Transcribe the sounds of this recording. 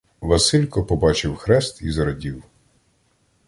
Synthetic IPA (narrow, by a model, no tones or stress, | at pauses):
ʋɐsɪlʲkɔpɔbɑt͡ʃɪwxɾɛst̪izɐɾɐdʲiw